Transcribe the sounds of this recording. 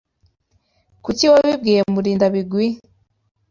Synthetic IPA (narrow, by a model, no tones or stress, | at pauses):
kuciwaβib̚ɡiːjemuɾiːndaβiɡwi